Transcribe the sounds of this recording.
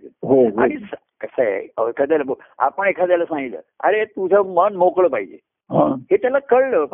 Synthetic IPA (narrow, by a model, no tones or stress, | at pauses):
ɦoɦa̰ɽis | kəsə̰əkəd̪eləbo | a̰pəɳekʰad͡zaləsãŋɡilə̰ːa̰ɾet̪ud͡zəmənmokləpaɦid͡ʑḛ | ɦãɦet̪jalakəɽləp